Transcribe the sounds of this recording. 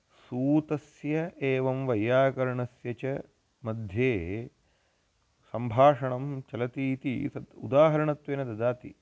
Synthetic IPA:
suːt̪ɐsjɐeːʋɐmʋɐjːaːkɐɾɳɐsjɐt͡ʃɐ | mɐd̪ʱjeː | sɐmbʱaːʂɐɳɐmt͡ʃɐlɐt̪iːt̪ḭsɐd̪ṵd̪aːɦɐɾɐɳɐt̪ʋeːnɐd̪ɐd̪aːt̪ḭ

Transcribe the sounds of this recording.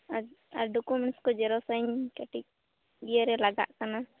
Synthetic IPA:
aa̰ɾɖɔkumɛɳnskɔd͡ʒɛɾɔsajnkaʈik̚ | bijəɾɛlaɡa̰ʔkana

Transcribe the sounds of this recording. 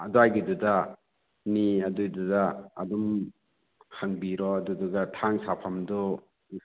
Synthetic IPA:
adɔajɡiduda | niadujdudaːdum | haŋbiɾɔadudaɡatʰaŋsapʰamdɔ

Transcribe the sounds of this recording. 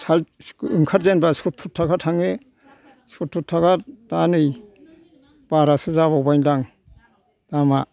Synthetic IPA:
salɯŋkʰat̚zenbasutʰːutʰakʰatʰaŋe | sutʰːutʰːaɡatanɯj | b̥aɾasɯzaβawbajndaŋ | d̥ama

